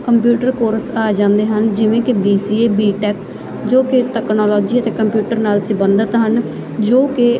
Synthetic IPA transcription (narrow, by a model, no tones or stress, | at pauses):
kəmpjuːʈəɾkoːɾsaːd͡ʒãːnd̪eːɦənd͡ʒɪʋẽːkɪbiːsiːeːbiːʈɛːk | d͡ʒoːkɪʈɛːknɔːlɔːd͡ʒiːət̪eːkəmpjuːʈəɾnaːlsɪbənd̪ət̪ɦən | d͡ʒoːkɪ